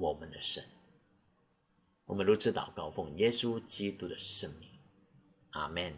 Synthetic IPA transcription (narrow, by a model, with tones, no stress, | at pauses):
wɔ˨˩mə˦nd̪ə˧ʂə̰˧˦n | wɔ˨˩mə˦nɻu˧˥t͡sʰɹ̩˧˥t̪ɑ̰˨˩ʊkɑ˥˧ʊfʊ˥˩ŋjɛ˥su˥˦t͡ɕi˥t̪u˥d̪ə˨˩ʂə˥˩ŋmi˥˩ŋ | ʔa̰˥˩mɛ˥˩n